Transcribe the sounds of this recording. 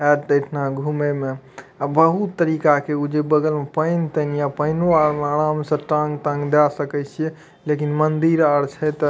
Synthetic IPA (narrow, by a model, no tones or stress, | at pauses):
ɛʈd̪əʈʰnaɡʱumeme | abəɦut̪ːəɾikakeud͡ʒebəɡəlmepəɪnt̪ənijapəɪnoaɾmeəɽamsə̃ʈãŋɡt̪ə̃ŋɡd̪asəkɛɪt͡ʃʰije | lekinmənd̪iɾəɾt͡ʃʰɛt̪